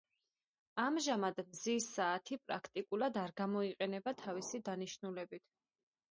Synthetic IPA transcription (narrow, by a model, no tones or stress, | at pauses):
amʒamad̪mzisaːt̪ʰipʼɾa̰kʰt̪ʼikʼulˠad̪aɾɡamɔiqʼɛnɛbat̪ʰavisid̪aniʃnulɛbit̪ʰ